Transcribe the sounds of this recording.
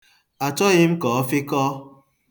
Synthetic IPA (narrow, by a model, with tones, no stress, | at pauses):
a˨t͡ʃɔ˦ɣɪ˦m̩˦kɔː˨ɔ˦fɪ˦kɔː˦